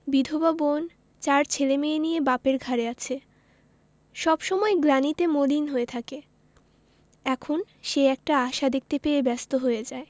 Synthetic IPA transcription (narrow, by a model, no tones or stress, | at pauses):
bid̪ʱobabon | t͡ɕaɾt͡ɕʰelemeenijebapeɾɡʱaɾeat͡ɕʰe | ʃɔbʃɔmɔeɡɾanit̪emolinɦoet̪ʰake | ɛkʰon | ʃeɛk̚ʈaaʃad̪ek̚t̪epeɾebɛst̪oɦoed͡ʑae